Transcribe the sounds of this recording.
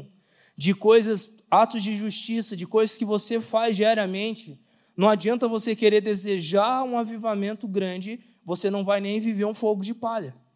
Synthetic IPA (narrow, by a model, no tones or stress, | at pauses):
d͡ʒɪkojzɐs | at̪ʊzd͡ʒɪʒuʃt͡ʃisɐd͡ʒɪkojzɐskɪvosefazʒɛɾɐmẽnt͡ʃɪ | nɐ̃w̃ad͡ʒiɐ̃nt̪ɐvosekeɾeɾd̪ezeʒaũavivamẽnt̪ʊɡɾɐ̃d͡ʒɪ | vosenɐ̃w̃vajnẽj̃viveɾũfoɡʊd͡ʒɪpaʎɐ